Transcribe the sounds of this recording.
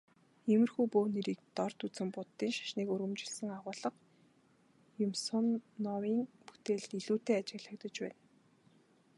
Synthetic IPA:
emɘ̆rxuːpoːneɾiːk̚t̪ɔrt̪ut͡sɘ̆mpʊt̪ːiːnʃḁʃniːkuɾɣɵ̆mt͡ɕɪ̆ɮsə̆ŋaʁʊːɮə̆q | jʊmsʊ̆nːɔwiːŋpu̥t̪eːɮt̪iɮuːt̪eːat͡ɕɪ̆ɣɮə̆kt̪ə̆t͡ɕpæ̰ːn

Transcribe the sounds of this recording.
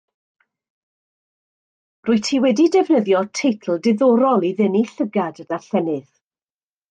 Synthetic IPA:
rʊːɨtʰiːwɛdidɛvnəðjɔtʰejtʰl̩ˠdɪðɔɾɔlˠiðəniɬəɡadədaɬɛnɨð̥

